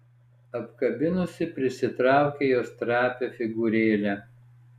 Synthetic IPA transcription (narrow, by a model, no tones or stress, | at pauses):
ɐpkɐbʲɪnʊsʲɪpʲɾʲɪsʲɪt̪ɾɑˑʊkʲejoːst̪ɾɑːpʲeːfʲɪɡʊɾʲeːlʲæ